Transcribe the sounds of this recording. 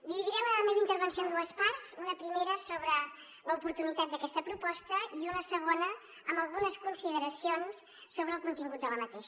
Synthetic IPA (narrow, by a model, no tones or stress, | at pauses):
d̪iβiðiɾɛməðəmeβint̪əɾβənsiond̪uəspaɾzunəpɾimeɾəsoβɾə | ləupuɾt̪unit̪at̪̚d̪əkɛst̪əpɾupɔst̪əiunəsəɣ̞onə | əmbəlˠɣunəskunsiðəɾəsionsː | oβɾəːlˠkunt̪iŋɡut̪̚d̪ələmət̪eʃ